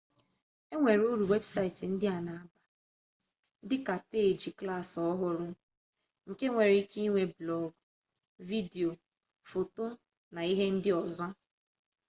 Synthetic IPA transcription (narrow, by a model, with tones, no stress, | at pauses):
e˦ŋʷe˨ɾo˦ɾu˨we˦bsa˦ɪ˨ti˨n̩˦dɪ˦a˨na˨a˨ba˨˦ | dɪ˦ka˨pe˦˨d͡ʒi˨kla˦˨sɔ˦ɦʊ˦ɾʊ˦ | ŋ̩˨ke˦ŋʷe˨ɾi˦ki˦ŋʷe˨blɔ˦ɡ | vi˦di˨o˨ | fo˨to˦ | na˨i˦ɦe˦n̩˦dɪ˦ɔ˨zɔ˦